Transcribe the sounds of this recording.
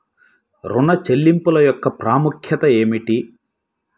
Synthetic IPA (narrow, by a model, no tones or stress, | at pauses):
ɾuɳɐt͡ʃelːimpulɐjɔkːɐpɾaːmukʰjɐt̪ɐe̞ːmiʈi